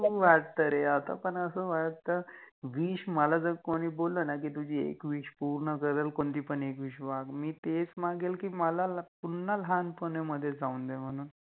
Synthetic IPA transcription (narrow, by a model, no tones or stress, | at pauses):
ʋaɽt̪əɾeat̪a̰pəɳəsəːʋaɽt̪əɾʋiːʂməlad͡zəɡkoɽ̃iːbolːənak̬iːt̪ud͡ʑʱiːḛkʋiːʂpuɾɳəkəɾəlkont̪iːpəɳekʋiːɕbaɡmiːt̪et͡smaɡelkiːməlapunːəlɦanpəneməd̪ʱːjed͡zaund̪em̤əɽ̃uːn